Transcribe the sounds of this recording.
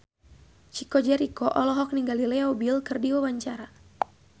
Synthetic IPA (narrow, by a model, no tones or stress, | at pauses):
t͡ʃikɔd͡ʒɛɾikɔʔɔlɔɦɔk̚niŋɡalilɛaubilkɨrdiwawaɲt͡ʃaɾa